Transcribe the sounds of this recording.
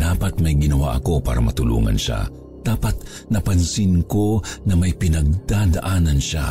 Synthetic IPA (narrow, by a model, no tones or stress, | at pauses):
d̪aːpɐt̪̚mɐjɡɪnɐwa̰ʔɐko̞pa̰ːɾɐmɐt̪ʊlṵːŋɐ̰nʃa̰ | d̪̥aːpɐt̪̚ | nɐpɐnsɪnko̞nɐmɐjpɪnɐɡ̚d̪̥ad̪ɐʔaːnɐnʃa̰